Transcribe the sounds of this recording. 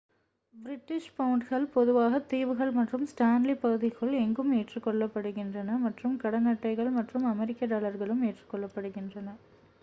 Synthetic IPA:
bɪɾɪʈːɪʂpɐwɳʈɣɐɭpɔðɯʋaːɣɐt̪ːiːʋɯɣɐɭmɐʈrɯmsʈaːnlipɐɣɯðɪkɯɭɛŋɡɯmeːʈrɯkːɔɭːɐpːɐɽɯɣɪndrɐnɐmɐʈrɯmkɐɽɐnɐʈːɐɪɣɐɭmɐʈrɯmɐmɛɾɪkːɐdaːɭɐɾɣɐɭɯmeːʈrɯkːɔɭːɐpːɐɽɯɣɪndrɐnɐ

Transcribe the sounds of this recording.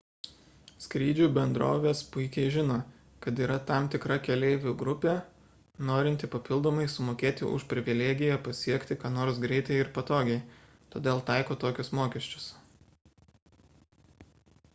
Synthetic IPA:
sʲkɾʲiːd͡ʒʲubʲɛnd̪ɾo̰ːʋʲeːspʊɪkʲɛɪʒʲɪnoː | kɐt̪iːɾɐt̪ɐmt̪ʲɪkɾɐkʲɛlʲɛɪʋʲʊɡɾʊpʲeː | noːɾʲɪnʲt̪ʲɪpɐpʲɪlˠd̪oːmɐɪsʊmoːkʲeːt̪ʲɪ̰ʔʊ̰ʃpʲɾʲɪʋʲɪlʲeːɡʲɪjɛpɐsʲiɛkt̪ʲɪkɑːnoːɾs̬ɡɾʲɛɪt̪ɐɪɪɾpɐt̪oːɡʲɛɪ | t̪oːd̪ʲeːlˠt̪ɑɪkoːt̪oːkʲʊsmoːkʲɛʃʲt͡ʃʲʊ̥s

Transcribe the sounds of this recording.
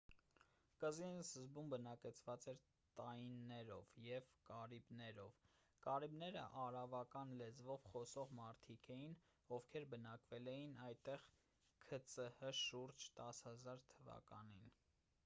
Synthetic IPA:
kəzinsəzbumbənɑkɛt͡sʰvɑt͡sɛɾ | t̪ɑjinːɛɾɔ̰vjɛvkɑɾibnɛɾɔv | kɑɾibnɛɾə̰ʔɑɾɑvɑkɑnlɛd͡zvɔvχɔsɔʁmɑɾt̪ʰikʰɛjin | ɔvkʰɛɾbənɑkvɛlɛjinɑjt̪ɛʁ | kʰət͡səhəʃuɾd͡ʒt̪ɑshɑzɑɾt̪ʰəvɑ̰kɑ̰nin

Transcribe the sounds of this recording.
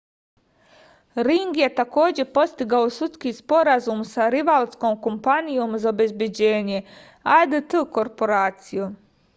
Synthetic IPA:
ɾiŋɡje̞t̪ako̞ːd͡ʑe̞po̞st̪iɡaosut̪skispo̞ɾazumsaɾiʋalˠsko̞ːmkompanijoːmuzaobe̞zbjed͡ʑeːɲe | ajd̪ət̪əko̞ɾpo̞ɾaːt̪siju

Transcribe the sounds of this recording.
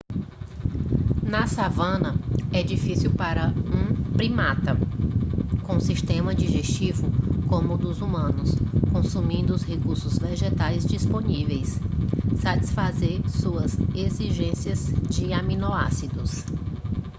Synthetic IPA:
nɐsavɐ̃nɐɛd͡ʒifisiwpaɾɐũpɾimat̪ɐ | kõsiʃt̪ẽmɐd͡ʒiʒest͡ʃivʊkõmʊd̪ʊzumɐ̃nʊskõsumĩnd̪ʊːshekuɾsʊzveʒet̪ajzd͡ʒisponivejsː | at͡ʃi̥sfazeɾsuɐzeziʒẽsiɐzd͡ʒɪamĩnoa̰sid̪ʊs

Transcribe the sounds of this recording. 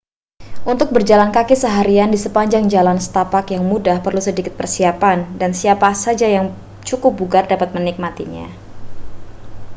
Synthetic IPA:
ʔunt̪ʊk̚bərd͡ʒalankakisəɦaɾiandisəpaɲd͡ʒaŋd͡ʒalansə̥t̪apakjaŋmudahpərlusədikɪ̥t̪̚pərsiapandansiapasad͡ʒajaŋ | t͡ʃukʊp̚buɡardapat̪̚mənik̚mat̪ḭɲa̰

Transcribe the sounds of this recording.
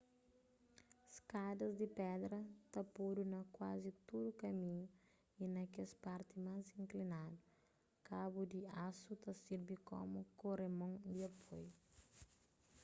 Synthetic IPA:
skad̪ɐzd̪ipɛd̪ɾɐt̪ɐpuɾunɐkwazit̪ud̪ukɐmĩɲu | inɐkɛspaɾt̪imazĩŋklinad̪u | kabud̪iasut̪ɐsiɾbiko̰mukoremõŋd̪iɐpʰoju

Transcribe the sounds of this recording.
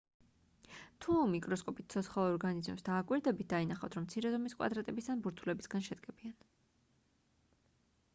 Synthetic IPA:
t̪ʰumikʼɾɔskʼɔpʼit̪̚ʰsʰɔt̪sʰχalˠɔɾɡanizmɛ̰msd̪aːkʼwiɾd̪ɛbit̪̚ʰd̪ainaχav̥t̪ʰɾɔmt̪sʰiɾɛzɔmiskʼwa̰d̪ɾat̪ʼɛbisd̪anbuɾt̪ʰulɛbisɡanʃɛd̪ɡɛbian

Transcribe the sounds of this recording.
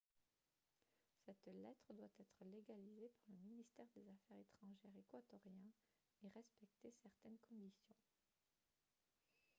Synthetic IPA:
sɛt̪lɛt̪χəd̪wat̪ɛt̪χəleɡalizepaʁləminist̪ɛʁd̪ezafɛʁet̪χɑ̃ʒɛʁekwat̪ɔʁjɛ̃ | eʁɛspɛk̚t̪esɛʁt̪ɛnkʰɔ̃d̪isjɔ̃

